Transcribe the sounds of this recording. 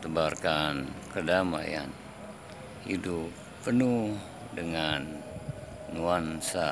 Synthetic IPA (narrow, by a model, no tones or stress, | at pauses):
t̪əbarkankədama̰ja̰n | hidupːənuh | dəŋanː | uansa